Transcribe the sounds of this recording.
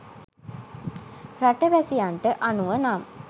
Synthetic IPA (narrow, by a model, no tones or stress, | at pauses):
raʈəʋæsijaɳʈəʔanuʋənam